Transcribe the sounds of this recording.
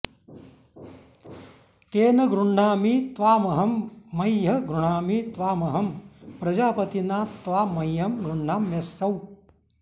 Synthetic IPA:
t̪eːnɐɡɾuɳːaːmit̪ʋaːmɐɦɐmːɐjːɐɡɾuɳaːmit̪ʋaːmɐɦɐmpɾɐd͡ʒaːpɐt̪inaːt̪ːʋaːmɐjɐmɡɾuɳːaːmjɐsːɐw

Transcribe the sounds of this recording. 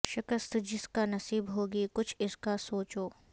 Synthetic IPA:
ʃɪkəst̪d͡ʒɪskanɐsiːbɦoːɡikʊt͡ʃʰɪskasoːt͡ʃoː

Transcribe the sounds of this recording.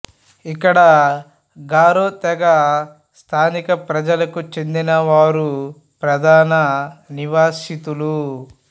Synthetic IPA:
ikːɐɽɐ | ɡaːɾoːt̪ɛɡɐ | st̪ʰaːnikɐpɾɐd͡ʒɐlɐkut͡ʃe̞nd̪inɐʋaːɾu | pɾɐd̪ʱaːnɐniʋaːʃit̪ulu

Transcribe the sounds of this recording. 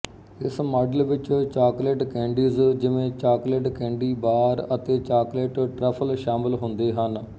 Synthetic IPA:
ɪsmaːɖəlʋɪt͡ʃt͡ʃaːkleːʈkɛ̃ːɳɖiːzd͡ʒɪʋẽːt͡ʃaːkleːʈkɛ̃ːɳɖiːbaːɾət̪eːt͡ʃaːkleːʈʈɾɛːpʰəlʃaːmɪlɦʊ̃nd̪eːɦən

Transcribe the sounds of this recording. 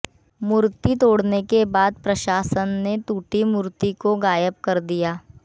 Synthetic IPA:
mʊɾt̪it̪oːɽnekebaːd̪̚pɾɐʃaːsənːet̪uːʈimʊɾt̪ikoɡaːjəp̚kɐɾd̪ijaː

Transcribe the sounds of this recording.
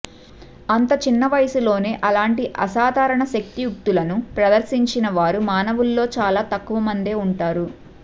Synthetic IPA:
ɐnt̪ɐt͡ʃinːɐʋɐjɐsulo̞ːne̞ːʔɐlaːɳʈiʔɐsaːd̪ʱaːɾɐɳɐʃɐk̚t̪ijuk̚t̪ulɐnupɾɐd̪ɐɾsiɲt͡ʃinɐʋaːɾumaːnɐʋulːo̞ːt͡ʃaːlaːt̪ɐkːuʋɐmɐnd̪e̞ːuɳʈaːɾu

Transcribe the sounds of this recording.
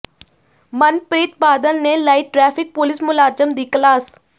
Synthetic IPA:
mənpɾiːt̪̚baːd̪ənneːlaːiːʈɾɛːpʰɪk̚pʊlɪsmʊlaːd͡ʒəmd̪iːklaːs

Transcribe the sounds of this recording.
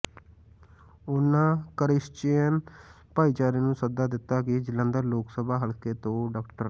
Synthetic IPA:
ʊnːãːkəɾɪst͡ʃeːən | paːit͡ʃaːɾeːnũːsəd̪aːd̪ɪt̪ːaːkɪd͡ʒɪlə̃nd̪əɾloːksəbʱaːɦəlkeːt̪õːɖaːkʈəɾ

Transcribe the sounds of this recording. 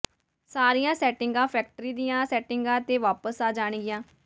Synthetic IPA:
saːɾijãːsɛːʈɪŋɡãːpʰɛːk̚ʈəɾiːd̪ijãːsɛːʈɪŋɡãːt̪eːʋaːpəsaːd͡ʒaːɳ̃ɡɪjãː

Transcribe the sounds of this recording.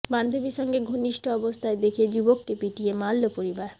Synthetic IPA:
band̪ʱobiʃɔŋɡeɡʱoniʃʈʰoɔbost̪ʰaed̪ekʰed͡ʑubokkepiʈiemalːopoɾibaɾ

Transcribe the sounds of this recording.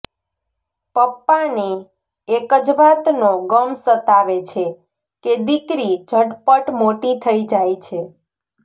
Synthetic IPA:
pəpːaneː | kəd͡ʒʋat̪noɡəmsət̪aʋet͡ʃʰe | ked̪ikɾid͡ʒʱəɽpəʈmoʈit̪ʰəid͡ʒajt͡ʃʰe

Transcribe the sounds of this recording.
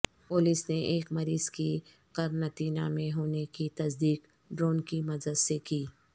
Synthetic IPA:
pʊlisneʔeːkmɐɾiːzki | qɐɾnɐt̪iːnamẽɦoːnekit̪ɐsd̪iːq | ɖɾoːnkimɐd͡ʒəd̪sekiː

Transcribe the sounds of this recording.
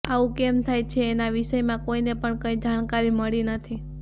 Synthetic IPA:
aʋũkemt̪ʰajt͡ʃʰeːnaʋiʃəjmãkoinepəɳkə̃ĩd͡ʒankaɾiməɭinət̪ʰi

